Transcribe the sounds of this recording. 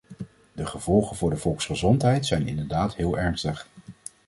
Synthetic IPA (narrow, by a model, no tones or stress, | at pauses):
dəχəv̥ɔlˠχənvʊːɹdəv̥ɔlˠksχəzɔntɦɛjtsɛjnɪ̰ndəɹdaːtɦɪːlˠɛɹnstəχ